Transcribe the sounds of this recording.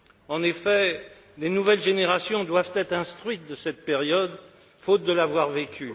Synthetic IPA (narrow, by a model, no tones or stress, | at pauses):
ɑ̃nefɛ | d̪enuvɛlʒeneʁasjɔ̃d̪wav̥t̪ɛt̪χɛ̃st̪χɥit̪̚d̪əsɛt̪̚peʁjɔd̪ | fot̪̚d̪əlavwaʁvekʲy